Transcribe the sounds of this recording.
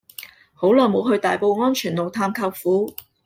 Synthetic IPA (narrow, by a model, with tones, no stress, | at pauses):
ho˨˥wlɔː˨˩jmo˨˧wɦɵ˧ɥt̪aː˨jpo˨˧wŋɔː˥nt͡ʃʰyː˨˩nlo˨wt̪ʰaː˧mkʰɐ˧wfuː˨˥